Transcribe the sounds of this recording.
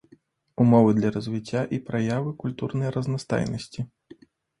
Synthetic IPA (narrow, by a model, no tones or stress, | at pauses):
umɔvɨd̪lʲɐɾɐzʲvʲit͡sʲːaʔipɾajavɨkulʲt̪urnɐjɾɐznast̪a̰jnɐsʲt͡sʲi